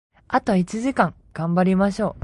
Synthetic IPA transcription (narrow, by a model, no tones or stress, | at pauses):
at̪oit͡ɕiʑikãŋ | ɡ̥ãmbaɾʲimaɕo̞ː